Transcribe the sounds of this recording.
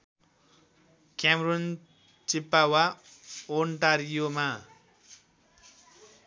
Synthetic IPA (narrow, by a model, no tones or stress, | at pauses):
kjamrun | t͡sipːawa | onʈaɾijoma